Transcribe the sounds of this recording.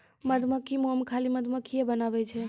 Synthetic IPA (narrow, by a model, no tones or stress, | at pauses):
məd̪məkʰimoəmkʰaliməd̪ʱməkʰːiebənaʋɛt͡ʃʰɛ